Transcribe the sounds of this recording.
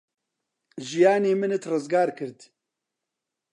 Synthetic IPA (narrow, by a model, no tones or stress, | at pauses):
ʒijaːneːmɨnɨt̪rɨzɡaːɾkɨɾd̪